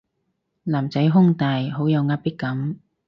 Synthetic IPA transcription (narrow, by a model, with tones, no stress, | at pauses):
laː˨˩mt͡sɐ˨˥jɦʊ˥ŋt̪aː˨˧jɦo˨˥wjɐ˨˧wŋaː˧˥t̚pɪ˥kːɐ˨˥m